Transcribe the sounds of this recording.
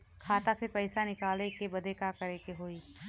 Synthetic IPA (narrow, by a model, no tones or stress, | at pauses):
kʰaːt̪asepɛːɪsanɪkaːlekebɐd̪ʱekakɐɾeːkeɦoːiː